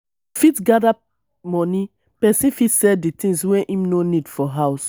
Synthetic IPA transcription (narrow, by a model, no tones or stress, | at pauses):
fitɡada | mɔ̃ni | pɛsĩfitsɛlditĩŋswɛ̃ʔimnonidfɔɦaʊs